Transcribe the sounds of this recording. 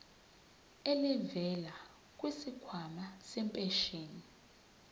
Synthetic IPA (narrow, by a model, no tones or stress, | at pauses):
ɛlɛvɛla | kʼwisikʰwamasɛmpʼɛʃeːni